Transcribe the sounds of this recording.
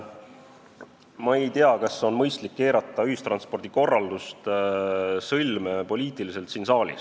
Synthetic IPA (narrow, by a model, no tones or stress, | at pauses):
mɑe̞jt̪eɑkɑsːo̞nmɤjst̪likːe̞ːɾɑt̪ːˑɑyhist̪ɾrɑnspo̞rd̪̥iko̞rːɑld̪ust̪ | sɤlmepo̞lʲiːt̪ˑilise̞lt̪siːnsɑːlʲḭs